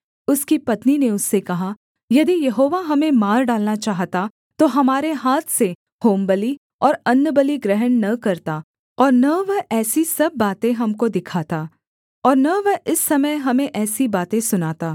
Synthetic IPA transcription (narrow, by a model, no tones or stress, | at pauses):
ʊskipɐt̪nineʊsːekɐɦa | jɐd̪ijɐɦoːʋaɦɐmẽmaːɾɖaːlnat͡ʃaːɦt̪a | t̪oɦɐmaːɾeɦaːt̪ʰse | hoːmbɐli | ɔːɾɐnːəbɐliɡɾɛɦənnɐkɐɾt̪a | ɔːɾnɐʋəɦɛːsisɐb̚ːaːt̪ẽɦɐmkod̪ɪkʰaːt̪aː | ɔːɾnɐʋəɪsːɐməjɦɐmẽʔɛːsibaːt̪ẽsʊnaːt̪aː